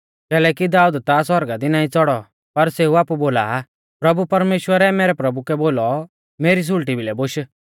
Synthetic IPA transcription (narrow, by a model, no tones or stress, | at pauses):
kɛːlɛːkid̪aːud̪t̪asɔɾɡad̪inaːĩt͡sɔɽɔ | pɐɾseːuaːpuboːla̰ | pɾɐbupɐɾmeːʃwəɾɛmɛːɾɛpɾɐbukɛboːlɔ | meːɾis̬ʊɭʈibʱilɛboʃ